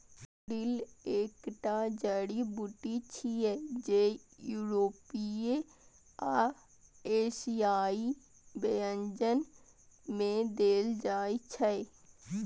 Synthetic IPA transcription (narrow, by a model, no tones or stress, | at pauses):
ɾɪleːkʈad͡ʒəːɽibʊʈit͡ʃʰiɛd͡ʒeːjuːɾoːpie | aː | eːʃijaːi | bejə̃ɲd͡ʒən | mẽd̪eːld͡ʒaːit͡ʃʰəe